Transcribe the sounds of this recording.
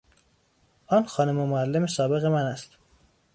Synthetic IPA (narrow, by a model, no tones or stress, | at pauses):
ʔɒːnxɒːnomomoælːemesɒːbe̞ɣe̞mænæst̪